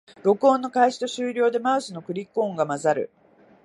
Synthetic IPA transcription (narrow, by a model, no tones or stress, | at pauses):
ɾo̞kɯ̟õnːo̞kaiɕi̥t̪o̞ɕɨːɾʲo̞ːd̪e̞maɯ̟sɨno̞kɯ̟ɾʲikːõ̞ːŋɡamazaɾɯ̟̰